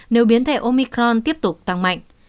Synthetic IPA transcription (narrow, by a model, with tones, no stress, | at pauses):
ne˨˦wɓi˨˦ənt̪ʰe˧˩ʔo˧mi˧kɾɔ˧nt̪i˦˥əp̚t̪ʊ˨˩k͡p̚t̪a˧˩ŋma̰˧˨jŋ̟